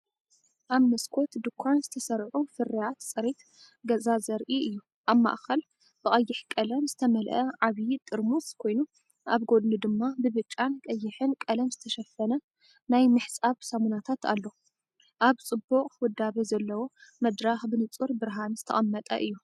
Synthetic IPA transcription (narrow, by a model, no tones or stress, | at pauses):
ʔaβnɐskʰo̞t̪d̪ɨkʷʰːanzɨt̪ʰɐsɐɾʕufɨɾijat̪t͡sʼɨɾif | ɡɐzazɐɾʔiɨjːu | ʔaβma̰ʔxɐl | b̥ɨkʼɐjːɪħkʼɐlɐmzɨt̪ʰɐmɐlʔɐʕaβt̪ʼɨɾmuskʰo̞jnu | ʔaβɡo̞d̪nɨd̪ɨmːabɨβɨt͡ʃʼːankʼɐjːɪħɨnkʼɐlɐmzɨt̪ʰɐʃɐfːɐnɐ | najmɨħsʼaβsɐmunat̪ʰat̪ʰa̰lːo̞ | ʔaβt͡sʼɨbːuqʼwʊd̪ːaβɐzɐlːɐwo̞mɐd̪ɾaxbɨnɨt͡sʼuɾbɨɾɦanzɨt̪ʰɐ̰χʼɐmːɐt̪ʼɐ̰ʔɨjːu